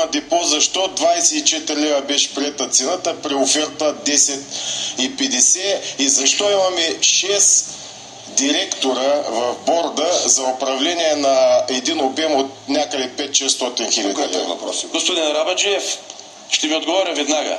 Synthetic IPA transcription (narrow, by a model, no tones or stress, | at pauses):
ɐd̪ɛpozɐʃt̪ɔd̪vajsɛit͡ʃɛt̪ɾilɛvɐbɛʃɛ̥pɾiɛt̪ɐt̪sɛnat̪əpɾiofɛɾt̪əd̪ɛsɛt̪ipɛd̪ɛsɛizɐʃt̪ɔimɐmɛʃɛs | d̪iɾɛkt̪oɾəvɐvbɔɾd̪əzɐopɾɐvlɛniɛnɐɛd̪inobɛmot̪nʲakəd̪ɛpɛt̪ʃɛst̪ɔt̪inxilʲɐd̪ilɛɐpɔsɡospod̪inɾabɐd͡ʒiɛf | ʃt̪ɛviod̪ɡovɔɾʲɐvɛd̪naɡə̰